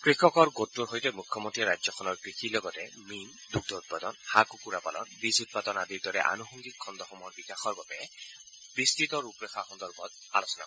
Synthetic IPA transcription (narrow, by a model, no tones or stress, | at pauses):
kɹikʰɔkɔɹɡotːuɹɦojtɛmukʰjɔmɔntiɹajd͡ʒzɔkʰɔnɔɹkɹixilɔɡɔtɛ | min | duk̚dɔut̚padɔnhakukuɹapalɔ̰nbizut̚patɔnadiɹdɔɹɛ̰ʔa̰nuxɔŋɡikʰːɔnd̪ɔxɔmɔɹbikaxɔɹɡɔpɛ | b̥istitɔɹupɹɛxaxɔnd̪ɔɹbɔt̚ | a̰losɔnakɔj